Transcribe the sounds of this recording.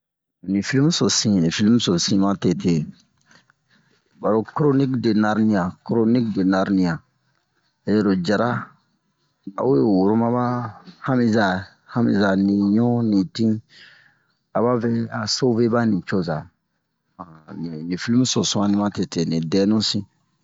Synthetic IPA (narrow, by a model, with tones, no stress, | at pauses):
nĩ˨fi˦li˦m˦so˨sĩ˦nĩ˨fi˦li˦mu˦so˨sĩ˦ma˦tɛ˨tʰe˨ | ba˨ɾo˦kɾo˦ni˦kde˨na˦ɾnĩ˦jã˨kɾo˦ni˦kde˨na˦ɾnĩ˨jã˨ | je˦˨ɾo˨d͡ʒa˨ɾa˦ | a̰˨˦u˦je˦wo˨ɾo˦ma˦ba˦ha˦mi˦za˨ | ha˦mḭ˨za˨nĩ˨ɲɔ̃˦nĩ˨tĩ˦ | a˨ba˦fɛ˦a˨so˦ve˦ba˦nĩ˨t͡ʃo˦za˨ | ã˨ni˨nĩ˨fi˦li˦m˦so˨sũ˦ã˦nĩ˦ma˦tɛ˨te˨nĩ˨dɛ˦nũ˦sĩ˦